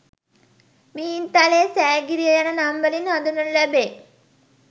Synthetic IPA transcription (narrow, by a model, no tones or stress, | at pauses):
miːint̪alesæːɡiɾijɐjanənambəlinad̪unɐllæbeː